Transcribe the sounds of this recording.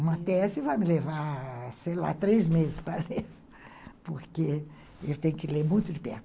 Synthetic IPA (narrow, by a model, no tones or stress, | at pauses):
ũmɐt̪ɛsɪvajmɪlevaɾsejla̰t̪ɾezmezɪ̥spɾɐleɾ | poɾke | ewt̪ẽjɲʊkɪlemũj̃t̪ʊd͡ʒɪpɛ̰ɾt̪ʊ